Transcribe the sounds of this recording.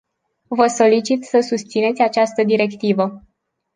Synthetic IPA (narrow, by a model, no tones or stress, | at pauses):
vəso̞lit͡ʃit̪səsust̪sine̞t̪sʲat͡ʃast̪əd̪iɾe̞kt̪ivə